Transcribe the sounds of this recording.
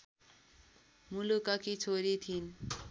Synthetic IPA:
mulukʌkit͡sʰoɾit̪ʰin

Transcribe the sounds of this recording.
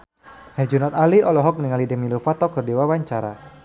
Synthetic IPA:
hɛrd͡ʒunɔt̪aliʔɔlɔɦɔk̚niŋalidɛmilofat̪ɔkɔrdewawaɲt͡ʃaɾa

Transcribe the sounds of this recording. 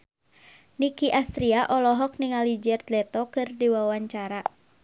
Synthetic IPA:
nikiʔast̪ɾiaʔɔlɔɦɔk̚niŋalid͡ʒɛrd̪lɛt̪ɔkɨrdiwawaɲt͡ʃaɾa

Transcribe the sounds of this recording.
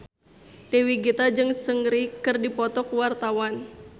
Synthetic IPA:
dewiɡit̪ad͡ʒɨŋsəŋɾikɨrdipɔt̪ɔkuwart̪awan

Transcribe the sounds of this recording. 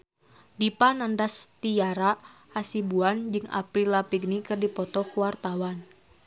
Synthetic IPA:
dipanandast̪ijaɾa | asibuand͡ʒɨŋa̰pɾilapiɡnikɨrdipɔt̪ɔkuwart̪awan

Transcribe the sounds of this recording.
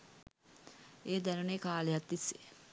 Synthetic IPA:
eːd̪ænuneːkaːlejat̪ːisːe

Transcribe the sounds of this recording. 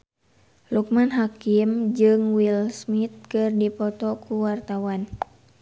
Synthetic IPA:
luk̚manɦakimd͡ʒɨŋwilsmit̪̚kɨrdipɔt̪ɔkuwart̪awan

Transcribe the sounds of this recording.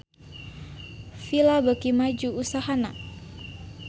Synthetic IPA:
filabəkimad͡ʒuusaɦana

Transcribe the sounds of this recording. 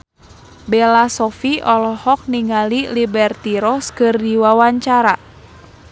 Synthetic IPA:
bɛlasɔfiɔlɔhɔk̚niŋalilibɛrt̪iɾɔskɨrdiwawaɲt͡ʃaɾa

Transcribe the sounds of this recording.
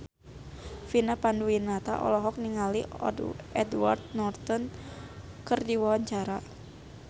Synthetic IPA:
finapanduinat̪a̰ʔɔ̰lɔɦɔk̚niŋaliɔ̰dṵɛdwa̰rt̪̚nɔrt̪ɔn | kɨrdiwawaɲt͡ʃaɾa

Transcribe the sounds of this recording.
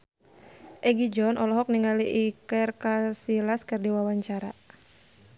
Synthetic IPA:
ʔɛɡid͡ʒɔnʔɔlɔɦɔk̚niŋaliʔikərkasilaskɨrdiwawaɲt͡ʃaɾa̰

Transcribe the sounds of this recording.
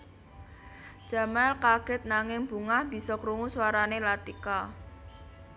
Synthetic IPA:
d̥ʒ̥ä̤malkaɡ̥ɪt̪̚naŋɪŋb̥ṳŋahb̥i̤sɔkɾuŋuswaɾanelat̪ika

